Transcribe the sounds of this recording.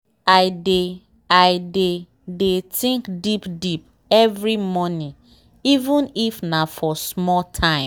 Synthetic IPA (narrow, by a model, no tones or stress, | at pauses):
aɪde | aɪde | detĩŋkdipdip̚ | ɛvɾimɔnĩ | ivũnifnafɔsmɔtʰãɪ̃m